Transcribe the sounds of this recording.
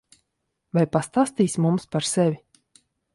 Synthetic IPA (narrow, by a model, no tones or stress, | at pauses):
vajpast̪aːst̪iːsʲmumspaɾsɛvʲi